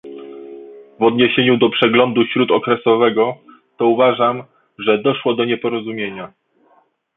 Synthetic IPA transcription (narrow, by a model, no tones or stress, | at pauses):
vɔd̪ɲeɕeɲud̪ɔpʂɛɡlɔnd̪uɕɾut̪ɔkɾɛsɔvɛɡɔ | t̪ɔuvaʐam | ʐɛd̪ɔʂwɔd̪ɔɲɛpɔɾɔzumʲjeɲa